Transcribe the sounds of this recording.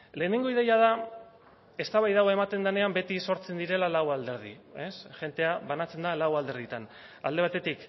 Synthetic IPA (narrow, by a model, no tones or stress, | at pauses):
le̞ːne̞ŋɡo̞iðe̞jaða | e̞st̪aβajðaɣ̞oe̞mat̪e̞nd̪ane̞ambe̞t̪iso̞ɾt͡se̞nd̪iɾe̞lalawald̪e̞ɾðḭe̞sʝe̞nt̪e̞aβanat͡se̞nd̪alawald̪e̞ɾðit̪an | a̰ld̪e̞β̞at̪e̞t̪ik